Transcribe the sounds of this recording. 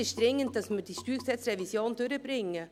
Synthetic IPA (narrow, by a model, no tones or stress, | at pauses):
ɪʃd̥ɾɪŋːənt̚d̥ɑsmədiːʃtyːksɛt͡srɛvisjoːndøɾəbɾɪŋːə